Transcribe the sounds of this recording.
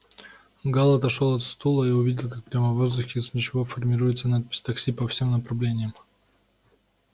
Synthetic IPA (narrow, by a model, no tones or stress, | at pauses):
ɡalˠət̪ɐʂolˠɐt̪st̪ulˠəiʊvʲidʲɪlˠkak̚pɾʲaməvozd̪ʊxʲɪznʲɪt͡ɕɪvofərmʲɪɾujɪt̪sənat̪̚pʲɪ̥sʲt̪ɐksʲipɐfsʲe̞mnəpɾɐvlʲenʲɪjəm